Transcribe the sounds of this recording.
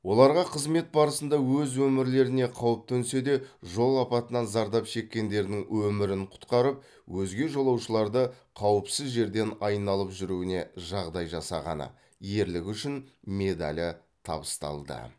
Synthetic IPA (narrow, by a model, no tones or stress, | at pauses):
wo̞lˠɑɾʁɑqʰəzme̞t̪̚bɑɾəsənd̪ɑwɵzwɵmɪɾle̞ɾɪne̞qʰɑwəp̚t̪ʰɵnse̞d̪e̞ʒo̞lˠɑpɑt̪ənɑnzɑɾd̪ɑpʃe̞kʲːe̞nd̪e̞ɾd̪ɪŋwɵmɪɾɪɴqʰʊ̥t̪qɑɾəp̚ | wɵzɡʲe̞ʒo̞lˠɑwʃəlˠɑɾd̪əqʰɑwəpsɪzʒe̞ɾd̪e̞nɑjnɑlˠəpʒʏɾuwɪne̞ʒɑʁd̪ɑjʒɑsɑʁɑ̰nə̰ | je̞ɾlɪkʲʏʃɪnme̞d̪a̰lʲɪ | t̪ʰɑ̰bəst̪ɑ̰lˠd̪ə̰